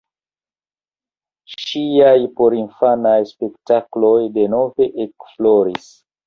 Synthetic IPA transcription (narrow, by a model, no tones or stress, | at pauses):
ʃiajpo̞ɾinfanajspe̞ktaklo̞jde̞no̞ve̞ʔekflo̞ɾis